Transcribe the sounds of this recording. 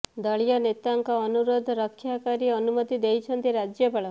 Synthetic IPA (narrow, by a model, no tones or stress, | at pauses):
d̪ɔɭijɔnet̪aŋkɔːnuɾod̪ʱɾɔkʰːjakaɾiɔnumɔt̪id̪ejt͡ʃʰɔnt̪iɾad͡ʒjɔpaɭɔ